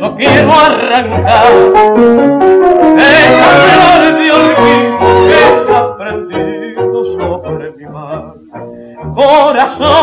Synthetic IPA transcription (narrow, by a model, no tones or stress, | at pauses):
okjɛɾoaraŋkaɾ | eaoɾeðeoliðokeapɾend̪iðosoβɾemima | koɾaso